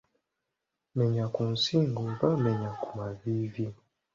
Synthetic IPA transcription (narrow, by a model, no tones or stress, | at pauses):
mɛɲakunsiŋɡuvamɛɲakumavivi